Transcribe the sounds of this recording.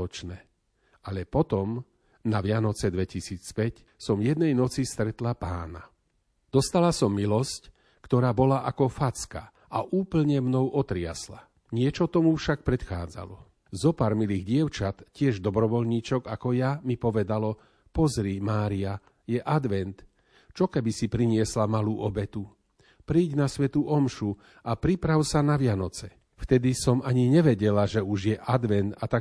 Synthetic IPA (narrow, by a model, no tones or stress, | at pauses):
ɔt͡ʃnɛː | aʎɛpɔt̪ɔm | naʋɪanɔt͡sɛd̪ʋɛcisiːt͡spɛc | sɔmjɛd̪nɛjnɔt͡sist̪ɾɛt̪lapaːna | d̪̥ɔst̪alasɔmːilɔsc | kt̪ɔɾaːbɔlaʔakɔfat͡ska̰ | ʔaʔuːpl̩ɲɛmnɔʊɔt̪ɾɪa̰sla | ɲɪɛt͡ʃɔt̪ɔmufʃak̚pɾɛt̪xaːd͡za̰lɔ | zɔpaɾmiliːɣɟɪɛʊt͡ʃat̪cɪɛʒd̪ɔbɾɔʋɔlɲiːt͡ʃɔɡakɔjamipɔʋɛd̪alɔ | pɔzɾimaːɾia | jɛʔad̪ʋɛnt̪ | t͡ʃɔkɛbisipɾiɲɪɛslamaluːʔɔbɛt̪u | pɾiːɟnasʋɛt̪uʔɔmʃu | apɾipɾaʊsanaʋɪanɔt͡sɛ | ft̪ɛd̪isɔmaɲiɲɛʋɛɟɛlaʒɛuʒjɛʔad̪ʋɛnt̪at̪a